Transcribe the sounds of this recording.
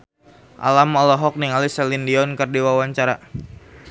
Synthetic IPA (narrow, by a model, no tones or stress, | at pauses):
ʔa̰lamɔlɔɦɔk̚niŋalisɛlindiɔnkərdiwawaɲt͡ʃaɾa